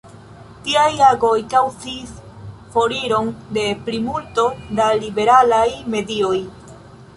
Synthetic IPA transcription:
tiajaɡo̞jkawt͡sis | fo̞ɾiɾo̞nde̞pɾimulto̞dalibe̞ɾalajme̞dio̞j

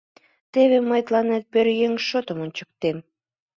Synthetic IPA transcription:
t̪eβeməjt̪lɑnet̪̚pøɾjeŋʃot̪əmont͡ɕə̥k̚t̪em

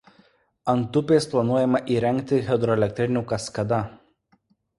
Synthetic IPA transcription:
ɐnt̪ʊpʲeːsplˠɐnuɔjɛmɐʔiːɾʲɛŋʲkt̪ʲɪɣʲɛd̪ɾɔɛlʲɛk̚ʲt̪ʲɾʲɪnʲukɐskɐd̪ɐ

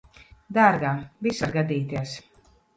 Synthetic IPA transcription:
d̪aːɾɡaːvisaɾɡad̪ʲiːt̪iɛs

